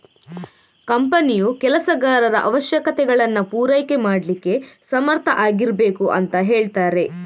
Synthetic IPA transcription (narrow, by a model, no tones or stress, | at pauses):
kɐmpɐnijukɛlɐsɐɡaːɾɐɾɐʔɐʋɐʃjɐkɐt̪ɛɡɐɭɐnːɐpuːɾɐjke̞maːɖlikːe̞sɐmɐɾt̪ʰɐʔaːɡiɾbe̞ːkuʔɐnt̪ɐɦe̞ːɭt̪aːɾe̞